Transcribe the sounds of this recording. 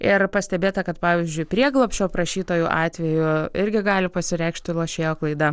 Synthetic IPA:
ɪɾpɐsʲt̪ʲɛbʲeːt̪ɐkɐt̪pɑːʋʲɪːzʲd͡ʒʲʊɪpʲɾʲiɛɡlˠoːpʲʃʲoːpɾɐʃʲiːt̪oːjuʔɑːt̪ʲʋʲɛjʊɪɾʲɡʲɪɡɑːlʲɪpɐsʲɪɾʲɛɪkʃʲt̪ʲɪlˠɐʃʲeːjoːklˠɐɪd̪ɐ

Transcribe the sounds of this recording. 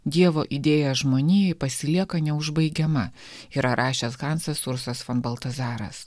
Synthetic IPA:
d̪ʲiɛʋoːʔid̪ʲeːjɛʒmoːnʲeːjɛɪpɐsʲɪlʲiɛkɐnʲɛʊʒbɐɪɡʲɛmɐ | iːɾɐɾʔɑːʃʲeːsɣɑːnsɐsʊɾsɐsfɐnbɐlˠt̪ɐzɑːɾɐ̰s

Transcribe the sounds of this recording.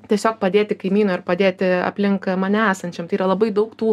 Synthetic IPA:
t̪ʲiɛsʲoːk̚pɐd̪ʲeːt̪ʲɪkɐɪmʲiːnuɪrpɐd̪ʲeːt̪ʲɪɐ̰pʲlʲɪŋkmɐnʲæːsɐnʲt͡ʃʲɛmt̪ɐɪiːɾɐlˠɐbɐɪd̪ɐʊkt̪uː

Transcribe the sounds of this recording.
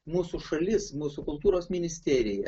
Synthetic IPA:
muːsuʃɐlʲɪsmuːsukʊlˠt̪uːɾoːsmʲɪnʲɪsʲt̪ʲæːɾʲɪjɛ

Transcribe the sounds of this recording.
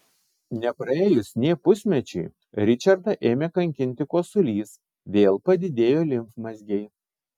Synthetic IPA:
nʲɛpɾɐeːjʊsnʲeːpʊsʲmʲɛt͡ʃʲɛɪ | ɾʲɪt͡ʃʲɐɾd̪ɐʔeːmʲeːkɐŋʲkʲɪnʲt̪ʲɪkoːsʊlʲiːs | ʋʲeːlˠpɐd̪ʲɪd̪ʲeːjoːlʲɪmfmɐzʲɡʲɛɪ

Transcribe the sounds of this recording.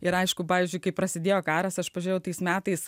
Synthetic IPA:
ɪɾɐɪʃkʊpɑːʋʲiːzʲd͡ʒʊɪkɐɪpɾɐsʲɪd̪ʲeːjoːkɑːɾɐsɐʃpɐʒʲʊɾʲejɛʊt̪ɐɪsmʲæːt̪ɐɪs

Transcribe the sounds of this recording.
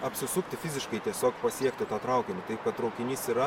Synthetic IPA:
ɐpʲsʲɪsʊkt̪ʲɪfʲɪzʲɪʃkɐɪt̪ʲiɛsʲoːkpɐsʲiɛkt̪ʲɪt̪uːt̪ɾɐʊkʲɪmʲʊt̪ɐɪp̚kɐt̪ɾɐʊkʲɪnʲiːsiɾɐ

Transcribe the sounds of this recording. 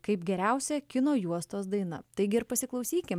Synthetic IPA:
kɐɪpɡʲɛɾʲæˑʊsʲɛkʲɪnoːjuɔst̪oːsd̪ɐɪnɐ̰t̪ɐɪɡʲɪɪɾpɐsʲɪklˠɒʊsʲiːkʲɪm

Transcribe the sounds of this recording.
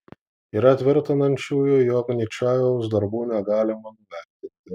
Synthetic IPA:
iːɾɐt̪ʲʋʲɪɾʲt̪ɐnɐnʲt͡ʃʲuːjʊjoːknʲit͡ʃʲɑːʋʲɛʊsd̪ɐɾbuːnʲɛɡɑːlʲɪmɐnʊʋʲæˑɾʲt̪ʲɪnʲt̪ʲɪ

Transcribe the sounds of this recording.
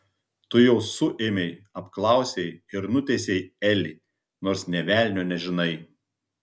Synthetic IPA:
t̪ʊjɛʊsʊʔemʲɛɪɐpklˠɑˑʊsʲɛɪɪɾnʊt̪ʲɛsʲɛɪɛlʲɪ | noːɾsnʲɛʋʲæːˑlʲnʲoːnʲɛʒʲɪnɐɪ

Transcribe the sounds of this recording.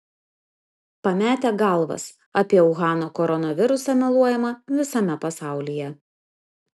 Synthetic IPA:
pɐmʲæːt̪ʲæɡɐˑlˠʋɐ̰s | ɐpʲiɛɔʊɣɑːnoːkɔɾɔnɐʋʲɪɾʊsɐnʲɛlˠuɔjɛmɐʋʲɪsɐmʲɛpɐsɑˑʊlʲijɛ

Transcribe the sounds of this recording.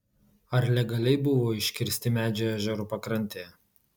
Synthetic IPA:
ɐɾlʲɛɡɐlʲɛɪbʊʋoːɪʃʲkʲɪɾʲsʲt̪ʲɪmʲæːd͡ʒʲɛæːʒʲɛɾuːpɐkɾɐnʲt̪ʲeːjɛ

